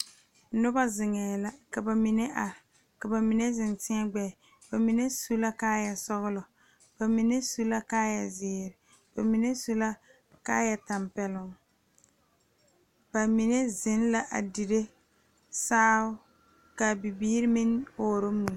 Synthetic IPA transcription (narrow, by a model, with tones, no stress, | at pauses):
nʊ˦ba˦zɪ˨ŋɛː˨la˦ka˨ba˨mi˨ne˦ʔa˨ | ka˨ba˨mi˨ne˦zɪ˨ntɪ˦a˦ɡ͡bɛ˨ | ba˨mi˨ne˦su˦la˦kaː˦ja˨sɔ˦ɣʊ˦lɔ˨ | b̥a˨mi˨ne˦su˦la˦kaː˦ja˨zɪː˦ɾɪ˨ | b̥a˨mi˨ne˦su˦la˦ | ka˦jɛ˨ta˨mpɛ˨lʊ˨ŋ | b̥a˨mi˨ne˦zɪ˦nla˦ʔa̰˨di˨ɾe˦ | saː˦ʊ˦ | ka˨bi˨biː˦ɾɪ˦mɪ˦noː˦ɾo˦mu˨